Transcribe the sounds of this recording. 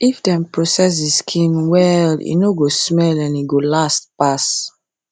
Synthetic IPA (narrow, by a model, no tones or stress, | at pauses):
ifdɛ̃mpɹɔsɛs̬diskʰĩnwɛlḭnoɡosmɛlɛ̃niɡolastpas